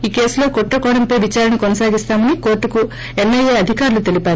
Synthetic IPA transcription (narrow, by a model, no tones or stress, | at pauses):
iːke̞ːsulo̞ːkɔʈːɐkɔːɽɐmpɐjʋit͡ʃaːɾɐnikonɐsaːɡist̪aːmɐniko̞ːɾʈːuku | emːeleːɐd̪ʱikaːɾulut̪e̞lipaːɾu